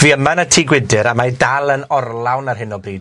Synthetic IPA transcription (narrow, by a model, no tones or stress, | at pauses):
viːəmanətʰiːɡwɪdɨɾamajdalˠənɔrlˠawnarɦɪnɔbriːd